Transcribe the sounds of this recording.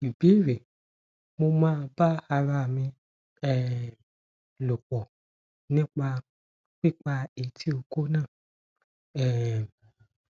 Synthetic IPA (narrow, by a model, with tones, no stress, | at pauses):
i˨be˨˦˨ɾe˨ | mo˧mãː˦˧ba˦a˧ɾa˧˨mĩ˧ | ɛ˦ | lo˨k͡pɔ˨ | nĩ˦k͡pa˧ | k͡pi˦k͡pa˧e˨tʰi˦o˧ko˦nãː˦˨ | ɛ˨